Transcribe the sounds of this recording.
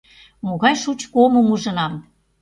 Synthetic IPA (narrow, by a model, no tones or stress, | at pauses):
moɣɑjʃut͡ɕkoməmuʒɤ̆nɑm